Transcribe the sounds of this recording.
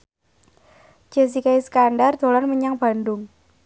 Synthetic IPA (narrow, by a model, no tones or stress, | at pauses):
d͡ʒ̥ɛs̬ikaisə̥kanɖard̪̥o̤lanməɲaŋb̥a̤ndʊŋ